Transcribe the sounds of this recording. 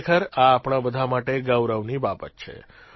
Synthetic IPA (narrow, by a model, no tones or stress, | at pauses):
kʰəɾaːpɳ̃abəd̪ʱamaʈeɡəʋɾəʋnibapət̪t͡ʃʰḛ